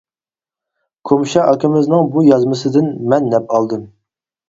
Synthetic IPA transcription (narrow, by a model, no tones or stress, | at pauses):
kʰomʃɛʔɑkʰʲɪmɪznɨŋbujɑzmɨsɨd̪ɪnmɛnːɛpɑlˠd̪ɨm